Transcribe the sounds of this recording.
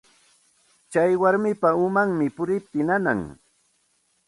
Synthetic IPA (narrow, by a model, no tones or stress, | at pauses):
t͡ʃajwaɾmɪpaʊmaŋmɪpʊɾɪp̚t̪ɪnana̰ŋ